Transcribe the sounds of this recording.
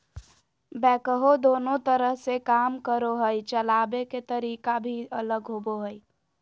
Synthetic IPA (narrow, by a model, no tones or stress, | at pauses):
bɛkəɦod̪onot̪əɾəɦsekamkəɾoɦəjt͡ʃəlabeket̪əɾikabʱiələɡɦoboɦəj